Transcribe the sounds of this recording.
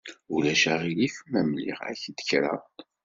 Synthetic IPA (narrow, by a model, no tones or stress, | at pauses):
ulæʃaʁilifəmːæmlḭʁæ̰çd̪ə̥çɾɑ̰